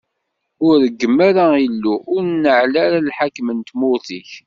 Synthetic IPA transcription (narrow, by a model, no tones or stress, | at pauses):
ʊɾɾəɡːəmːaɾailːuʔʊɾnəʕlaɾalħakːmənt̪mʊθiç